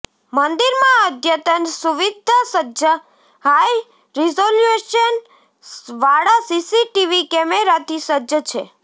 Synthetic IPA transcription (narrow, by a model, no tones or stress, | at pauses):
mənd̪iɾmãəd̪ʱjət̪ənsuʋid̪ʱasəə | ɦaj | ɾizoljueʃən | ʋaɽasisiʈiʋikɛmeɾat̪ʰisəd͡ʒət͡ʃʰe